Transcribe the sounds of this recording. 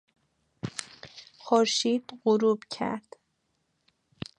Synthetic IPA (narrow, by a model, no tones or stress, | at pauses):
xoɾʃiːd̪̥ɢoɾuːbcʰæ̰ɾd̪̥